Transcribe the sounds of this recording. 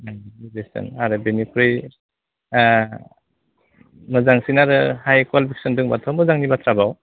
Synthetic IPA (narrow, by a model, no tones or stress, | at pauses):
zesɯ̰naɾɯbenipʰɾɯj | mɯzaŋsinaɾɯhajkwalipʰiksɔndɯŋba̰tʰɔmɯzaŋnibatʰɾabaw